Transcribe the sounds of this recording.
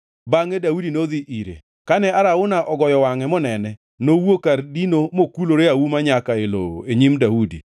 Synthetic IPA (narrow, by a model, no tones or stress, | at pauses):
baŋedaudinoðiʔiɾḛ | kanɛaɾaʊnaʔɔɡɔjɔwaŋɛmɔnɛnɛ | nowokaɾdinomokuloɾeawumaɲakaelo̰o̰eɲimdaudḭ